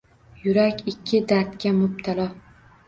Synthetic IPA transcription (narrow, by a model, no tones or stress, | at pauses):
jʊɾakʲɪkʲʰːɪd̪aɾt̪kʲamʊb̚t̪ʰalɒ